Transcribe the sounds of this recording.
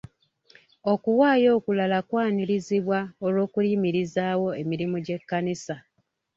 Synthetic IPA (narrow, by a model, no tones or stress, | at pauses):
o̞kuwaːjo̞ːkulalakwaːniɾiziβwaolo̞ːkuliːmiɾizaːwo̞e̞miɾimoɟe̞kːanisa